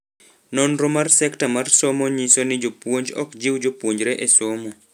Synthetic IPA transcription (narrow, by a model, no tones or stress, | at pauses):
nɔnɾomarsɛktamarsomɔɲisonɪd͡ʒopwoɲd͡ʒɔ̰kd͡ʒiwd͡ʒopwoɲd͡ʒɾeʔesomɔ